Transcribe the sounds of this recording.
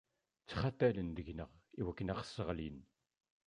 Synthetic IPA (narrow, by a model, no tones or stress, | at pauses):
t͡sːχat̪ːælənd̪əʝnəʁiwækːənæʁsːəʁlin